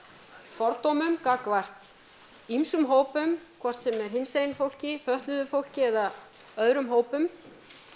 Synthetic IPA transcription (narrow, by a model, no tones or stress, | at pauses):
fɔɾt̪owmʏmkakvar̥t̪ | imsʏmɦoːwpʏmkʰvɔr̥t̪sɛmɛɾ̥ɦɪnsejnfowl̥cɪfœht̪lʏðʏfowl̥cɪɛða | œðɾʏmɦoːwpʏm